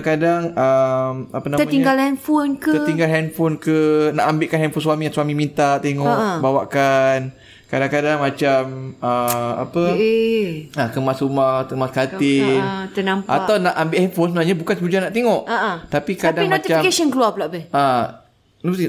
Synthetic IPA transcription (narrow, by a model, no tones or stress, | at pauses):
ŋkadaŋəma̰panaət̪iŋɡalhɛnfonkəət̪iŋɡalɦɛnfonkənaʔambɪʔkanɦɛnfonswamijaswamimint̪at̪eŋɔʔbawaʔkan | kadaŋkadaŋmat͡ʃaməa̰pə | akəmasumat̪əmaskat̪ɪt̪ənampa̰t̪awnaʔambɪʔhɛnfonsəbənaɲabukansəud͡ʒanaʔt̪eŋɔʔat̪apikadainɔt̪it͡ʃafkesɔnkəluapəlaʔbɛa